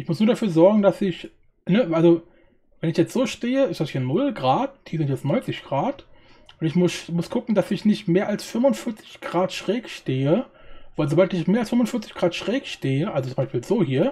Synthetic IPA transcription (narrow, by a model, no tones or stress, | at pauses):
ʔɪçmʊsnuːɐdafyːɐzɔɐɡŋ̩dasɪç | nəalzo | vɛnɪçjɛt͡stz̥oːʃteːəɪsd̥ashiːɐnʊlɡʁaːthiːɐzɪntjɛt͡stnɔʏnt͡sɪçɡ̥ʁaːt | ʔʊntɪçmʊsmʊskʰʊkŋ̩d̥asɪçnɪçtmeːɐʔalsfʏmʊntfɪɐt͡sɪ̥çɡ̥ʁaːtʃʁ̥ɛːkʃteːəvaɪlzoːbaltɪçmeːɐalsfʏmʊnfɪɐt͡sɪçɡ̥ʁaːtʃʁ̥ɛːkʃteːəʔalzot͡sʊmbaɪʃpiːlz̥oːhiːɐ